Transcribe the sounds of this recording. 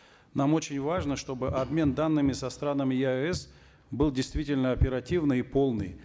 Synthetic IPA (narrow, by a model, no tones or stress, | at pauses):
namo̞t͡ɕɪnʲvaʐnəʂt̪o̞bɨʔɐbmʲe̞nd̪anːɨmʲɪsɐst̪ɾanəmʲɪjɛs | bɨlˠdʲɪjst̪vʲitʲɪlʲnəɐpʲɪɾɐtʲivnɨjipo̞lˠnɨ̰j